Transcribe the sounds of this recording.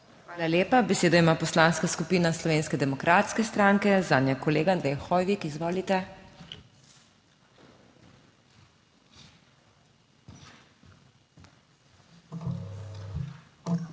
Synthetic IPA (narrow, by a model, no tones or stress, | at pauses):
xʋaːlaljeːpabɛseːd̪ɔimaːpɔslanskaskupiːnaslɔʋeːnskɛd̪ɛmɔkɾʔaːt̪skɛst̪ɾaːŋkɛzaːd̪nʲjɛkɔleːɡand̪ɾɛjxɔːjʋikizʋɔːlit̪ɛ